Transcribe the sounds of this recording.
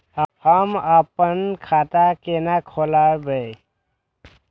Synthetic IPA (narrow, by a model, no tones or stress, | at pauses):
həməpənkʰat̪akenakʰolabəj